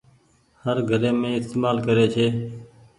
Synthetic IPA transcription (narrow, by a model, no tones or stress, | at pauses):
həɾɡʱəɾeːmẽːɪst̪eːmaːlkəɾeːt͡ʃʰeː